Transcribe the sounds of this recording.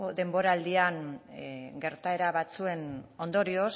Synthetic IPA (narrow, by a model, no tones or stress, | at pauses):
d̪e̞mbo̞ɾaːld̪iaŋ | ɡe̞ɾt̪ae̞ɾaβat͡sue̞no̞nd̪o̞ɾio̞s